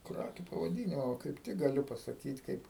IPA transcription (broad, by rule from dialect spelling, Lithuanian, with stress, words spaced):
ˈkrɑːkʲʊ pɐʋɐˈdʲɪnʲɪmoː kɐɪp ˈtʲɪk ɡɐˈlʲʊ pɐsɐˈkʲiːt ˈkɐɪp